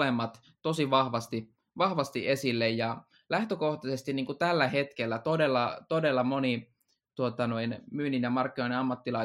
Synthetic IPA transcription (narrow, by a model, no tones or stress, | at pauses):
emːɑt̪ | t̪osiʋɑhʋɑst̪i | ʋɑhʋɑst̪iʔesilːejjɑ | læht̪økoht̪ɑsest̪iniːŋkut̪ælːæhet̪kelːæt̪odelːɑt̪odelːɑmoni | t̪uot̪ɑnoinmyːninjɑmɑrkːinoineɑmːɑt̪ːilɑ